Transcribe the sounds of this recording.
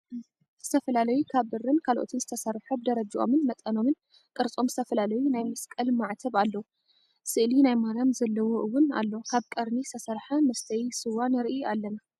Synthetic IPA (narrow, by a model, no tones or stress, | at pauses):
z̥ɨt̪ʰɐfɐlalɐjukʰaβɨrɨnkʰalʔo̰t̪ʰɨnzɨt̪ʰɐsɐɾħob̚d̪ɐɾɐd͡ʒʔo̞̰mɨnmɐt̪ʼɐno̞mɨn | kʼɨɾt͡sʼo̞mzɨt̪ʰɐfɐlalɐjunajmɨskʼɐlmaʕt̪ʰɐβalːɐwu | sɨʔlinajmaɾjamzɐlːɐwoʔɨwːʊna̰lːokʰaβkʼɐɾnist̪ʰɐsɐɾħamɐst̪ʰɐjsɨwanɐɾʔialːɐna